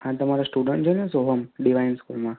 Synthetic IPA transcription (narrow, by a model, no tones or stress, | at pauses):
ãt̪əmaɾasʈuɖəɳʈd͡ʒonesoɦəmɖiʋajnskulmã